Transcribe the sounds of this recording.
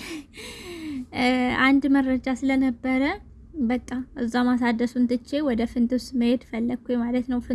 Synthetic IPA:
and̪mərːəd͡ʒasɨlənəbːəɾə | bət̪ʼːamʔɨzːamasad̪əsunt̪ɨt͡ʃːewɔd̪əfɨnt̪ɨsməhed̪fəlːəɡ̚kʷʰːujmalət̪nəwfɨ

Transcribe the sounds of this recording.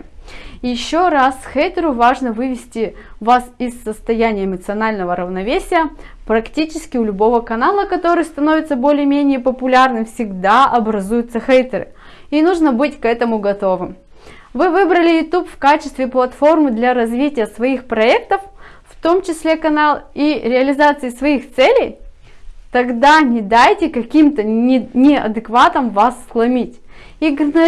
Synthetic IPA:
jɪɕːorasxejt̪əɾʊvaʐnəvɨvʲɪsʲtʲɪvasɪsːəst̪ɐjænʲɪjəɪmət̪sɨɐnalʲnəvəɾəvnɐvʲesʲɪjə | pɾɐktʲit͡ɕɪskʲɪʊlʲʊbo̞vəkɐnalˠəkɐt̪o̞ɾɨjst̪ɐno̞vʲɪt̪səbolʲɪjəmʲenʲɪjəpəpʊlʲarnɨmfsʲɪɡd̪aɐbɾɐzujʊt̪səxejt̪əɾɨ̰ | inuʐnəbɨtʲkɛt̪əmʊɡɐt̪o̞vɨm | vɨvɨbɾəlʲɪjʊt̪upfkat͡ɕɪst̪vʲɪplˠɐt̪fo̞rmɨd̪lʲɐɾɐzvʲitʲɪjəsvɐixpɾɐɛk̚t̪əf | ft̪o̞mt͡ɕɪsʲlʲekɐnalˠiɾʲɪɐlʲɪzat̪sɨɪsvɐixt̪sɛlʲej | t̪ɐɡd̪anʲɪd̪ajtʲɪkɐkʲimt̪ənʲɪnʲɪɐ̰d̪ɨkvat̪əmvasːlˠɐmʲitʲiɡnɐ

